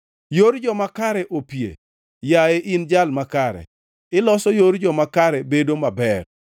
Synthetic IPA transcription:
joɾd͡ʒɔmakaɾɛʔopjḛ | jaeʔɪnd͡ʒalmakaɾɛ̰ | ɪlɔsɔjoɾd͡ʒɔmakaɾɛbedomabɛr

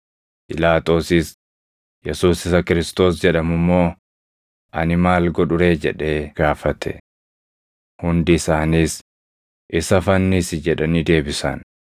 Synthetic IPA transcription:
pɪlaːt̪o̞ːsɪs | jɛsuːsɪsɐkɪɾɪst̪o̞ːsd͡ʒɛᶑɐmʊmːo̞ː | ʔɐnɪmaːlɡɔᶑʊɾe̞ːd͡ʒɛᶑe̞ːɡ̥aːfɐt̪ʰɛ̰ | hʊnd̪ɪɪsaːniːs | ʔɪsɐfɐnːisɪd͡ʒɛᶑɐnid̪e̞ːbɪsɐ̰n

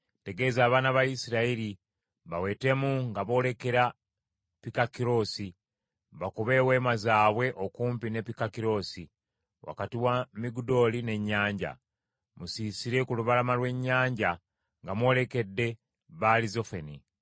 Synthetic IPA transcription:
te̞ɡe̞ːzaːβaːnaβajisiɾaiɾi | βawe̞ːte̞muŋɡaβo̞ːle̞ke̞ɾa | pikakiɾo̞ːsi | βakuβe̞we̞ːmazaːβwe̞ʔokuːmpine̞pikakiɾo̞ːsi | wa̰katiwamiɡudo̞ːline̞ɲːaːɲɟa̰ | musiːsiɾe̞kuluβalamalwe̞ɲːaːɲɟa | ŋɡamwo̞ːle̞ke̞dːe̞ | βalizo̞feni

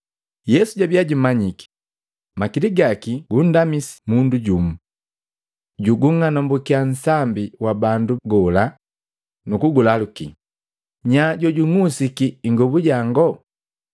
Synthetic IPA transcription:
jɛsuɟabiaɟumaɲiki̥ | makiliɡakiɡ̥un̩damisi̥munduɟumu | ɟuɡuŋanɔmbɔkian̩sambiwabanduɡɔla | nukuɡulalukḭ | ɲaɟɔɟuŋusikiːŋɡɔbuɟaŋɡɔ

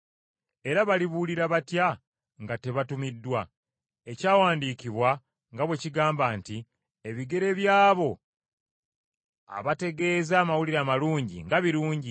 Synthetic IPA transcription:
e̞ɾaβaliβuliɾaβatja | ŋɡate̞βatumidːwa | e̞caːwaːndiːkiβwa | ŋɡaβwe̞ciɡaːmbaːnti | e̞βiɡe̞ɾe̞βjaːβo̞ | a̰βate̞ɡe̞ːzaːmawuliɾaːmaluːɲɟḭŋɡaβiɾuːɲɟi

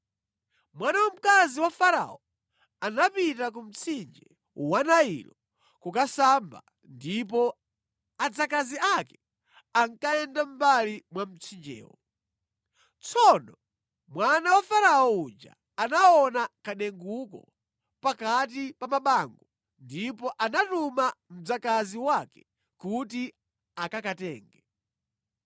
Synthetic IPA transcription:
mwanawam̩kaziwafaɾa̰ɔ | anapitak̬um̩t͡sʰind͡ʒɛ | uwanaḭlɔ | kukasamba̰ | ndip̬ɔ | ad͡zakaziakɛ | aŋkaɛndam̩balimwam̩t͡sʰind͡ʒɛ̰ːwɔ | t͡sʰɔnɔ | mwanawafaɾaɔud͡ʒa̰ːnaɔnakaɗɛŋɡukɔ̰ | pakat̬ipamaɓaŋɡɔ | ndipɔʔanatumam̩d͡zakaziwakɛ̥ | kuti | akakatɛːŋɡɛ

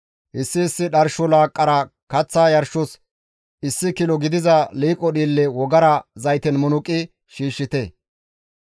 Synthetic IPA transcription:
ʔɪsːɪːsːɪɗɐɾʃɔlaːkʼːɐɾɐkɐt͡sːaːjɐɾʃɔs | ɪsːɪkɪlɔɡɪd̪ɪzɐliːkʼːɔɗiːlːɛwɔɡɐɾɐzɐjt̪ɛnmʊnʊkʼːɪ | ʃiːʃːɪt̪ɛ

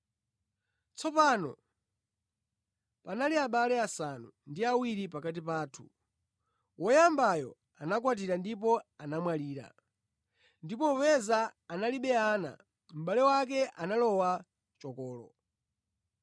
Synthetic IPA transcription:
t͡sʰɔpanɔ̰ | panaliaɓalɛasanundiawiɾipakat̬ipaːtʰu | wɔjambajɔ̰ | anakwat̬iɾandip̬ɔanamwaliːɾa̰ | ndipɔwɛzaːnaliɓɛaːna̰ | m̩ɓalɛwak̬ɛʔanalɔwa | t͡ʃɔkɔːlɔ̰

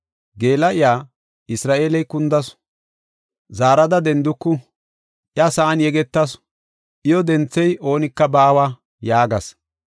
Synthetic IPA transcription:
ɡe̞ːlːɐʔɪjaː | ɪsɾaːʔeːlɛjkʊnd̪ɐs | zaːɾɐd̪ɐd̪ɛnd̪ʊkːʊ | ʔɪɐsɐʔːnjɛɡɛt̪ːɐs | ʔɪjɔd̪ɛnt͡sːɛjo̞ːnɪkːɐbaːwa | jaːɡɐs

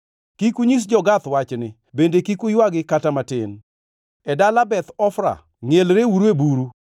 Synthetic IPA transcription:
kikuɲis̬d͡ʒɔɡat̪wat͡ʃnɪ | bendekikujwaɡɪkatamatɪn | ɛdalabɛt̪ɔfɾa̰ | ŋelɾeuɾuebuɾu

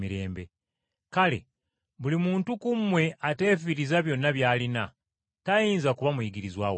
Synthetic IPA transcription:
miɾe̞ːmbe̞ | kale̞̰ | βulimuːntukumːwe̞ate̞ːfiɾizaβjo̞nːaβjaːlina | tajiːnzakuβamujiɡiɾizwaːw

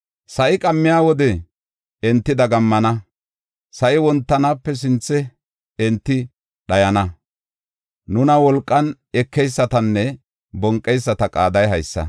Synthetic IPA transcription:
sɐʔɪkʼɐmːɪjaːwɔd̪ɛ | ɛnt̪ːɪd̪ɐɡɐmːɐnɐ | sɐʔɪwɔnt̪ːɐnaːpːɛs̬ɪnt͡sːɛ | ɛnt̪ːɪ | ɗɐjɐnɐ | nʊnɐwɔlkʼːɐn | ɛkːɛjsːɐt̪ɐnːɛ | bɔŋkʼːɛjsːɐt̪ɐkʼa̰ːd̪ɐjɦɐjsːɐ̰

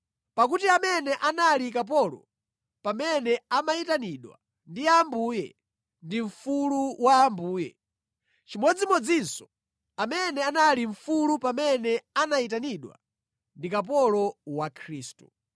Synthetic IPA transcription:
pakutiamɛnɛʔanalikap̬ɔlɔ̰ | pamɛnɛamaitaniɗwa̰ | ndiambuːjɛ̰ | ndiɱ̩fuluwaːmbuːjɛ̰ | t͡ʃimɔd͡zimɔd͡zinsɔ̥ | amɛnɛanaliɱ̩fulupamɛnɛanait̬aniɗwa̰ | ndikap̬ɔlɔwakʰɾiːstṵ

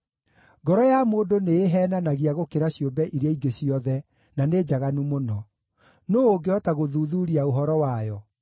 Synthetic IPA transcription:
ɡɔɾɔjamoːdoneːɦɛːnanaɣiaɣokeɾaɕjombɛʔiɾeaiɡeɕiɔðɛ | naneːd͡ʑaɣanumonɔ | noːoɡeɔtaɣoðuːðuːɾiaoɦɔɾɔwajɔ

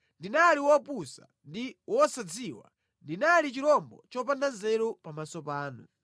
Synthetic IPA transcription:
ndinaliwɔpusa̰ | ndiwɔsad͡ziwa̰ | ndinalit͡ʃiɾɔmbɔ̰t͡ʃɔp̬andanzɛɾɔpamasɔpaːnṵ

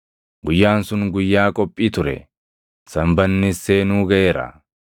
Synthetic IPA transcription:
ɡʊjːaːnsʊnɡʊjːaːkʼɔpʼːiːt̪ʊɾɛ̰ | sɐmbɐnːɪseːnuːɡɐʔeːɾɐ̰

